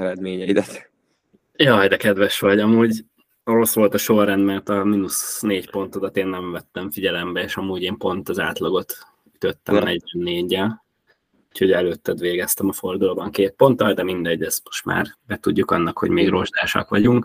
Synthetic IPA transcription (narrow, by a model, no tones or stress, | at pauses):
ɛɾɛd̪meːɲɛid̪ɛt̪ | jɒːd̪ɛkɛd̪ʋɛʃʋɒɟɒmuːɟ | oɾo̞sʋo̞lt̪ɒʃo̞rːɛnd̪mɛrt̪ɒminusneːɟpo̞nt̪o̞d̪ɒt̪eːnːɛɱvɛt̪ːɛɱfiɟɛlɛmbɛeːʃɒmuːɟeːmpo̞nt̪ɒzaːt̪lɒɡo̞t̪ | yt̪øt̪ːɛ̰mnɛɟvɛnːeːɟːɛl | uːcho̞ɟɛløːt̪ːɛd̪ʋeːɡɛst̪ɛmɒfo̞rd̪ulobɒŋkeːt̪̚po̞nt̪ɒld̪ɛmind̪ɛɟːɛz̥mo̞̥ʃt̪ma̰ːrbɛt̪uɟːukɒnːɒkho̞̰ɟmeːɡro̞ʒd̪aːʃɒ̰kʋɒɟuŋk